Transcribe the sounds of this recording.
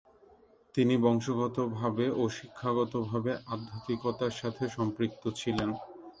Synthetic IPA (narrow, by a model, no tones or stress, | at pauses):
t̪inibɔŋʃoɡɔt̪obʱabeʔoʃikʰːaɡɔt̪obʱabeʔad̪ʱːat̪ikot̪aɾʃat̪ʰeʃɔmpɾik̚t̪ot͡ɕʰilen